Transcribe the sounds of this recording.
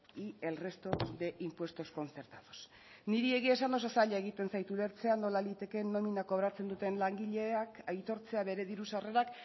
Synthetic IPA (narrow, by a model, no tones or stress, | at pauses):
ie̞lre̞st̪o̞d̪e̞ʔimpwe̞st̪osko̞nt͡se̞ɾt̪aðos | niɾie̞ɣ̞ie̞s̬and̪o̞sasaʎaeɣ̞it̪e̞nsajt̪ule̞ɾt͡se̞anːo̞lalit̪e̞ke̞nːo̞minako̞βɾat͡se̞nd̪ut̪e̞nlaŋɡiʎe̞akajt̪o̞ɾt͡se̞aβe̞ɾe̞ðiɾusare̞ɾak